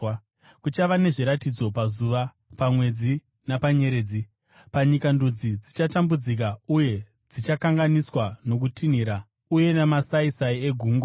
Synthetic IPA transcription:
kut͡ʃaʋane̞ʐiɾatid͡zo̞pazuʋa | pamwe̞d͡zi | napaɲe̞ɾeːd͡zi | paɲikandud͡zid͡zit͡ʃatambud͡zik̬auje̞ | d͡zit͡ʃakaŋɡaniswano̞k̬utʰiniɾa | uje̞nemasaisaie̞ɡʱuːŋɡwa

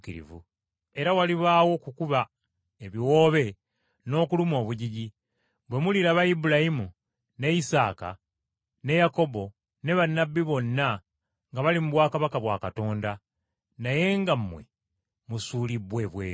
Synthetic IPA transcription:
kiɾḭvṵ | e̞ɾawaliβaːwo̞kukuβa | eβiwo̞ːβe̞ | no̞ːkulumo̞ːβuɟiɟi | βwe̞muliɾaβajibulajimu | ne̞isaːka̰ | ne̞jako̞bo̞ | ne̞βanːabːiβo̞nːa | ŋɡaβalimuβwaːkaβakaβwa̰kato̞ːnda | naje̞ŋɡamːwe̞̰ | musuːlibwe̞βwḛː

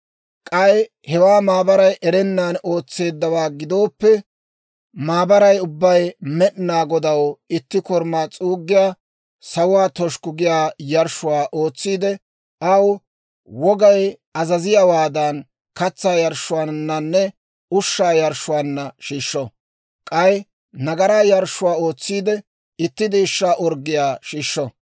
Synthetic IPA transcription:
kʼɐj | hɛwaːmaːbɐɾɐjʔɛɾɛnːaːno̞ːt͡sːe̞ːd̪ːɐwaːɡɪd̪o̞ːpːɛ | maːbɐɾɐjʊbːɐjmɛʔnaːɡɔd̪ɐwɪt̪ːɪkɔɾmaːt͡sʼuːɡːɪjaː | sɐwʊwaːt̪ɔʃkʊɡɪjaːjɐɾʃʊwaːʔo̞ːt͡sːiːd̪ɛ | ɐw | wɔɡɐj | ɐzɐzɪjawaːd̪ɐn | kɐt͡sːaːjɐɾʃːʊwaːnːɐnːɛ | ʊʃːaːjɐɾʃːʊwaːnːɐʃiːʃːɔ | kʼɐj | nɐɡɐɾaːjɐɾʃʊwaːo̞ːt͡sːiːd̪ɛ | ɪt̪ːɪd̪iːʃːaːʔɔɾɡːɪjaːʃiːʃːɔ

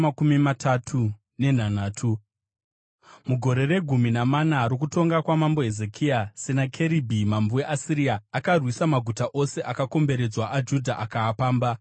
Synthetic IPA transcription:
akumimatʰatʰu | ne̞n̤anaːtʰu | muɡʱo̞ɾe̞re̞ɡʱuminamanaːɾok̬uto̞ŋɡakwamambo̞ɦeze̞kʰiasenakʰe̞ɾibʱimambuweʔasiɾiaːkarwisamaɡʱutaʔo̞se̞ʔakako̞mbe̞ɾe̞d͡zwaʔad͡ʒudʱaʔakaːpaːmba

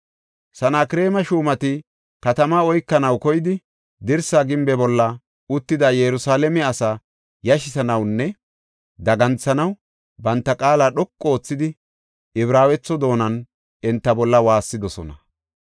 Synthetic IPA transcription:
sɐnaːkɪɾe̞ːmɐʃuːmɐt̪ɪ | kɐt̪ɐmaɔjkːɐnɐwkɔjɪd̪ɪ | d̪ɪɾsaːɡɪmbɛbɔlːɐ | ʊt̪ːɪd̪ɐjɛɾʊsaːlɛmɛɐsa | jɐʃɪsɐnɐwnːɛ | d̪ɐɡɐnt͡sːɐnɐw | bɐnt̪ːɐkʼaːlaːɗɔkʼːoːt͡sːɪd̪ɪ | ʔɪβɾaːwɛt͡sːɔd̪o̞ːnɐn | ɛnt̪ːɐbɔlːɐwaːsːɪd̪ɔsɔ̰nɐ̰

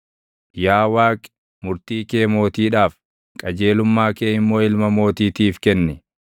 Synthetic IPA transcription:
jaːwaːkʼɛ̥ | mʊɾt̪iːkeːmo̞ːt̪iːᶑaːf | kʼɐd͡ʒe̞ːlʊmːaːkeːɪmːo̞ːɪlmɐmo̞ːt̪iːt̪iːfkɛnːɛ

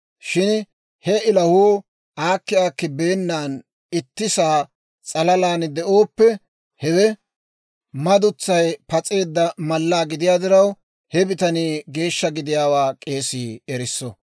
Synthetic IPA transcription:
ʃɪn | hɛɪlɐhuː | ʔaːkːɪjaːkːɪbe̞ːnːaːn | ɪt̪ːɪsaː | t͡sʼɐlɐlaːnd̪ɛʔo̞ːpːɛ | hɛwɛ | mɐd̪ʊt͡sːɐjpɐt͡sʼe̞ːd̪ːɐmɐlːaːɡɪd̪ɪjaːd̪ɪɾɐw | hɛbɪt̪ɐniːɡe̞ːʃːɐɡɪd̪ɪjaːwaːkʼe̞ːsiːɛɾɪsːɔ

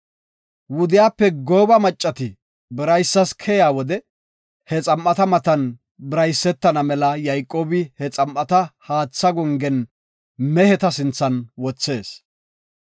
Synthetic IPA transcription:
wʊd̪ɪjaːpːɛɡoːbɐmɐt͡ʃʼːɐt̪ɪ | bɪɾɐjsːɐskʰɛjaːwɔd̪ɛ | hɛt͡sʼɐmʔɐt̪ɐmɐt̪ɐn | bɪɾɐjsːɛt̪ːɐnɐmɛlɐjɐjkʼːoːbɪhɛt͡sʼɐmʔɐt̪ɐhaːt͡sːɐɡɔŋɡɛn | mɛhɛt̪ɐsɪnt͡sːɐnwɔt͡sːe̞ːs

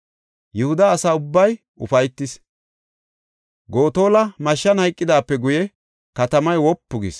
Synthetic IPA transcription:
jɛhʊd̪ɐːsaːʊbːɐj | ʊ̰fɐjt̪ːɪs | ɡo̞ːt̪o̞ːlɐmɐʃːɐnhɐjkʼːɪd̪aːpːɛɡʊjɛ | kɐt̪ɐmɐjwɔpːʊɡḭs

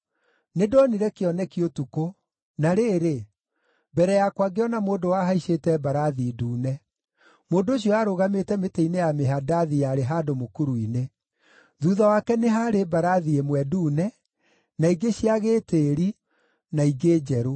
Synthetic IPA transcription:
nedɔniɾɛkeɔnɛkiotuko | naɾeːɾe | bɛɾɛjakwaɡeɔnamoːndowaɦaiɕetɛbaɾaðiduːnɛ | moːndoːɕ̬iɔaɾoɣametɛmeteinejameɦadaðijaɾeɦaːdomokuɾuine | ðuðawakɛneɦaɾebaɾaðiemwɛduːnɛ | naiɡeɕiaɣeteɾi | naiɡed͡ʒɛɾo

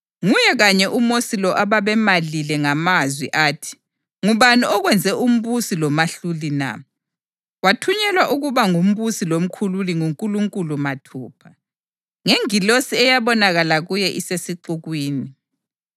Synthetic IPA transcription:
ŋujɛɣaɲɛʔumosilɔʔaβaβɛmalilɛŋamazwḭʔaːtʰi̥ | ŋuβaniɔɣwɛnd͡zʱɛʔum̩βusilɔmaɬulina̰ | watʰuɲɛlwaʔuɣuβaŋum̩βusilom̩kʰululiŋuŋkʼuluŋkʼulumatʰuːpʰa | ŋeŋilosiɛjaβɔnaɣalaɣujɛʔisesiǃuɣwiːni

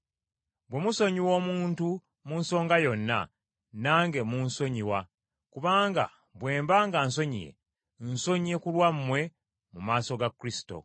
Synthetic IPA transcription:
bwe̞muso̞ɲiwo̞ːmuːntu | munso̞ːŋɡajo̞nːa̰ | naːŋɡe̞munso̞ɲiwa | kuβaːŋɡa̰ | bwe̞ːmbaːŋɡans̬o̞ɲḭjḛ | nso̞ɲie̞kulwamːwe̞ | mumaːso̞ɡakːɾisi̥to̞̰

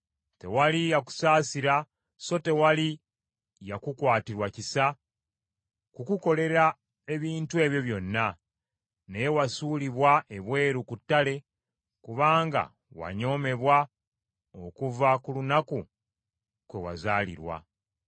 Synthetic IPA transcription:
te̞̰walijaku̥saːsiɾa | so̞te̞wali | jakukwaːtiɾwacisa | kukuko̞le̞ɾa | eβiːntue̞βjo̞βjo̞nːa | nejewasuliβwae̞βwe̞ːɾukutːale̞ | kuβaːŋɡa̰ | wa̰ɲo̞me̞βwa | okuvakulunaku | kwe̞wa̰zaːlḭɾwa̰

